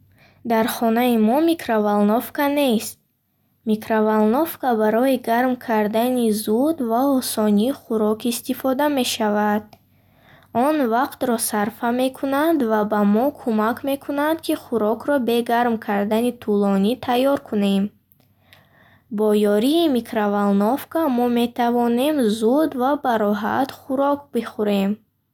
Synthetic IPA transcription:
d̪aɾχɔnaimɔmikʰɾavalnofkane̞st̪̚ | mikɾavalnofkabaɾɔiɡaɾmkʰaɾd̪anizud̪vaɔsɔniːχuɾɔkist̪ifɔd̪ame̞ʃavad̪̥̚ | ɔnvaqt̪ɾɔsaɾfame̞kʰunad̪vabamɔkʰumakʰme̞kʰunad̪kʰiχuɾɔkɾɔbe̞ɡaɾmkʰaɾd̪anit̪ʰulɔnit̪ʰajːɔɾkʰune̞m | bɔjɔɾiːmikʰɾavalnɔfkamɔme̞t̪ʰavɔne̞mzud̪vabaɾɔɦa̰t̪χuɾɔk̚biχuɾe̞m

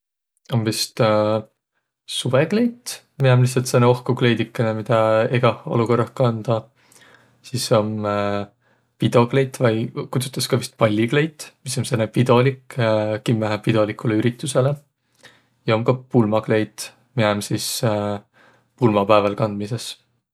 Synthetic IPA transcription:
o̞mvist̪ | suve̞kle̞jt̪ | miɑmlihsːɑlt̪senːeo̞hkukle̞jd̪ikːˑɑnemid̪̥ɑeɡ̥ɑo̞̰luko̞rɑhkɑnd̪̥ɑ | siso̞m | pid̪o̞kle̞jt̪ːˑvɑjkut̪su̥t̪ːˑɑskɑvist̪̚pɑlʲːikle̞jt̪ːmiso̞nsenːepid̪̥o̞likkimːæɦæpid̪̥o̞likːˑuleyɾit̪ːˑuse̞le̞ | jɑo̞mkɑpulmɑkle̞jt̪ | miɑmsis | pulmɑpæevɑlkɑnd̪̥mise̞s

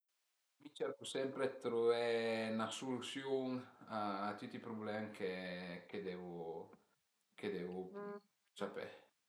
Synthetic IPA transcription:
mit͡ʃɛɾkusɛmpɾet̪ɾovɛnasolusjoŋaːt̪ut̪ːipɾublɛmkeked̪ɛvo | ked̪ɛvo | sapɛ̰

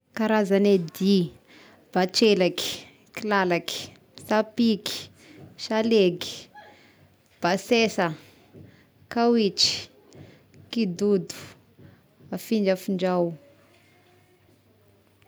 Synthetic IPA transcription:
kaɾazaned̪i | b̥at͡ʃelaki̥ | kilalaki̥ | sapiki̥ | ʃaleɡi̥ | b̥asesə | kawit͡ʃi̥ | kid̪ud̪u̥ | afiɳd͡ʒəfiɳd͡ʒaw

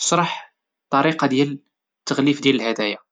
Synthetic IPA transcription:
ə̥ʃɾˤɑħ | t̪ˤːɑɾiqɑd̪jæl | t̪ːəɣlifd̪jæləlhæd̪æja

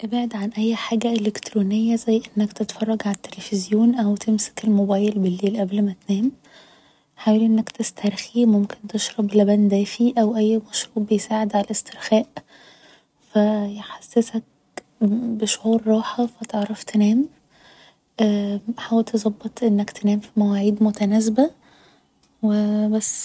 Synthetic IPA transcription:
ʔebʕed̪ʕanʔæjːħaːɡæʔelekt̪ɾuːnejːæzæjːʔenːækt̪et̪fɑrˤːɑɡʕalæt̪ːelefezjoːnʔæwt̪emsæ̥kelmobæːjelbelːeːlʔæblmæt̪næːm | ħaːwæliʔenːækt̪est̪ʰæɾˤximomkent̪eʃɾˤɑblæbænd̪æːfiʔæwʔæjːmɑʃɾuːʔbejsaːʕed̪ʕalest̪ʰeɾxæːʔ | fæjħasːesæk̚ | beʃoʕuːɾːɑːħɑfæt̪eʕɾˤɑft̪enæːm | ʔæħawælt̪ʰezˤɑbːet̪ˤʔenːækt̪enæːmfimæwæːʕiːd̪mot̪ænæzbæ | webæsː

